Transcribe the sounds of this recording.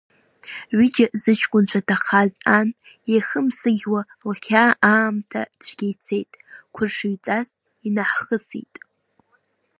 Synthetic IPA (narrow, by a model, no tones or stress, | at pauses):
ʕʷid͡ʒazɨt͡ʃʰkʷʼʊnt͡ʃʷʰatʰaχazan | jaχəmsɨɡʲwa | laχʲʰaːʔaːmtʰa̰t͡ɕʷʰɡʲejt͡sʰe̞jtʼkʷʰʊrʂɨɥt͡sʼas | inaħχəsḭtʼ